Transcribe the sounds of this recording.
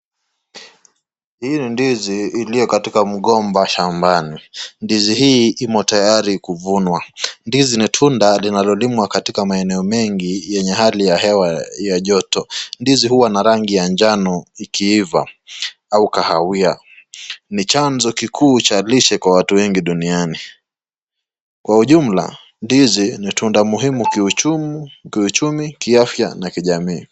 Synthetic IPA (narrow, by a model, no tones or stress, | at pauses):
hinindiziːlijɔkatikam̩ɠɔmbaʃambanindizihiːʔimɔtajaɾikuvunwandizinitʰundalinalɔlimwakatikamaɛnɛɔmɛŋɡijɛɲɛɦalijaɦɛwajaʄɔtɔndizihuwanaɾaŋɡijand͡ʒanɔikʰiiva̰ | aukahawia | nit͡ʃanzɔkikʰuːt͡ʃaliʃɛkwawatuwɛŋɡiɗuniani | kwahuʄum̩la̰ | ndizinitʰundamuɦimukiut͡ʃumkiut͡ʃumikiafja̰nakiʄamiː